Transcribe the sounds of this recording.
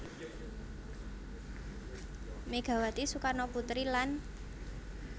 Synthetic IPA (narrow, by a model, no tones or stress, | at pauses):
meɡ̥a̤wat̪isukanɔput̪ɾilan